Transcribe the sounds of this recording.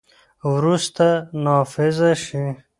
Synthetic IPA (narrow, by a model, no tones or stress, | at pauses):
wɾust̪anɑːfɪzaʃi